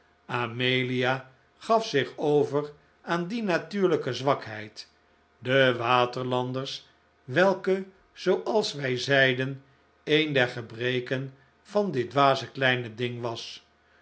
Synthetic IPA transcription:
amejlija | χɑfsɪχowvər | aːndinatyːɹləkəzʋɑkɦɛjt | dəʋaːtəɹlɑndəɹs | ʋɛlˠkə | z̥owʔɑlˠsʋɛjzɛjdən | ejndɛɹχəbrejkən | v̥ɑndɪdʋaːzəklɛjnədɪŋʋɑs

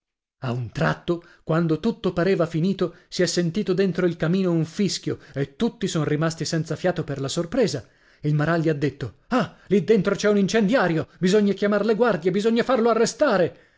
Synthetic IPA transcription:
aunt̪ɾa̰t̪ːo | kwand̪ot̪ut̪ːopaɾeːvafiniːt̪osiɛsːent̪iːt̪od̪ent̪ɾoilkamiːnouɱfiskjoet̪ːut̪ːisɔnrimast̪isɛnt̪safjaːt̪operlasorpɾeːza | ilmaɾalːiad̪ːet̪ːo | alid̪ːent̪ɾot͡ʃɛunint͡ʃend̪jaːɾjobizoɲːakjamarleɡward̪jebizoɲːafarloarːest̪aːɾe

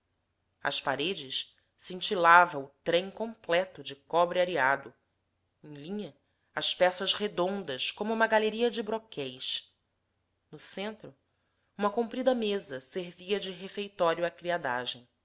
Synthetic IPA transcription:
ɐ̰ʃpaɾed͡ʒɪʃ | sĩnt͡ʃilavɐʊt̪ɾẽj̃kõplɛt̪ʊd͡ʒɪkɔbɾɪaɾiad̪ʊ | ẽj̃lĩɲɐ | ɐspɛsɐzhed̪õnd̪ɐʃkõmʊũmɐɡaleɾiɐd͡ʒɪbɾokʰɛjʃ | nʊsẽnt̪ɾʊ | ũmɐkõmpɾid̪ɐmezɐseɾviɐd͡ʒɪɦefejt̪ɔɾjuakɾiad̪a̰ʒẽj̃

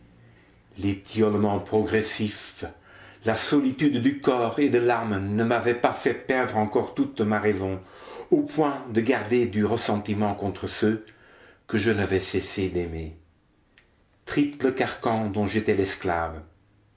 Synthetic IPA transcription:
let̪ʰjɔlmɑ̃pχɔɡʁɛsif | lasɔlit̪yd̪ːykɔːʁed̪əlaʁmnəmavɛpafɛpɛʁd̪ʁɑ̃kɔʁt̪ut̪maʁɛzɔ̃opwɛ̃d̪əɡaʁd̪ed̪yʁəsɑ̃t̪imɑ̃kɔ̃t̪χəsø | kəʒənavɛsɛsed̪ɛme | t̪χipləkaʁkɑ̃d̪ɔ̃ʒet̪ɛlɛsklaːv

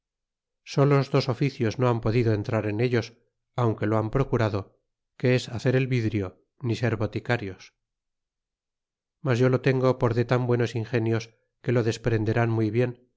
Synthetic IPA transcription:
so̞lozðo̞so̞fiθjo̞zno̞ampo̞ðiðoent̪ɾaɾe̞ne̞ʎo̞s | awŋke̞loampɾo̞kuɾaðo̞ | ke̞esaθe̞ɾe̞lβiðɾjo̞ | nise̞ɾβo̞t̪ikaɾjo̞s | mazʝo̞lo̞t̪e̞ŋɡo̞po̞ɾðe̞t̪ambwe̞no̞siŋxe̞njo̞s | ke̞lo̞ðe̞spɾe̞nd̪e̞ɾanmujβje̞n

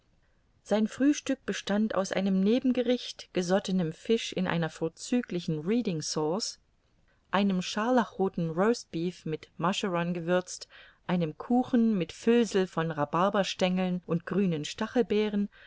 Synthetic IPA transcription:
z̥aɪnfʁ̥yːʃtʏk̚b̥əʃtantʔa̰ʊsʔa̰ɪnəmneːbm̩ɡəʁɪçtɡ̥əzɔtənəmfɪʃɪnʔa̰ɪnɐfoːɐt͡syːklɪçn̩ʁiːdɪŋsɔːs | ʔaɪnəmʃaɐlaχʁoːtn̩ʁoʊsb̥iːfmɪtmaʃəʁɔnɡəvʏɐt͡st | ʔaɪnəmkʰuːxn̩mɪtfʏlzl̩fɔnʁabaɐbɐʃtɛŋl̩nʔʊnt̚ɡ̥ʁyːnənʃtaχl̩bɛːʁən

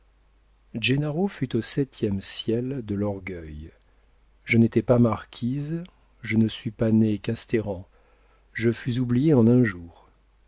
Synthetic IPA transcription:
ʒenaʁofyt̪osɛt̪ʰjɛmsjɛld̪əlɔʁɡœj | ʒənet̪ɛpamaʁkʲʰiz | ʒənəsɥipanekast̪eʁɑ̃ | ʒəfyzublijeɑ̃nɛ̃ʒuːʁ

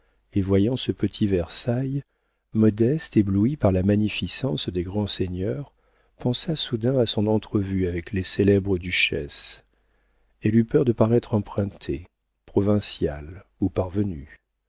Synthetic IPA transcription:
evwajɑ̃səpət̪ʰivɛʁsaj | mɔd̪ɛst̪ebluipaʁlamaɲifisɑ̃sd̪eɡʁɑ̃seɲœʁ | pɑ̃sasud̪ɛ̃asɔ̃nɑ̃t̪χəvyavɛkleselɛbʁəd̪yʃɛ̰s | ɛlypœʁd̪əpaʁɛt̪χɑ̃pχɛ̃t̪ʰe | pχɔvɛ̃sjalupaʁvəny

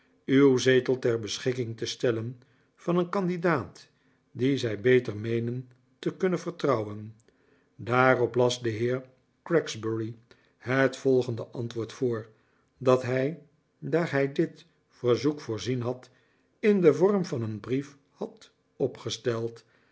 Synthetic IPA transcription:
ywzejtəlˠtɛɹbəsχɪkɪŋtəstɛlən | v̥ɑnənkɑndidaːt | dizɛjbejtəɹmejnən | təkɵnənvəɹtrɑwən | daːrɔplɑsdəɦɪːɹ | krɛksbəɹi | hətfɔlˠχəndəʔɑntʋʊːɹtfʊːɹ | dɑtɦɛj | daːɹɦɛjdɪt | fəɹzukfʊːɹzinɦɑt | ɪndəvɔɹmvɑnənbrif | hɑt | ɔpχəstɛlˠt

